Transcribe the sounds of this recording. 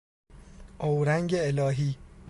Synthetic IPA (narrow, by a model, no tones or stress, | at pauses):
ʔowɾæŋɟeelɒːɦiː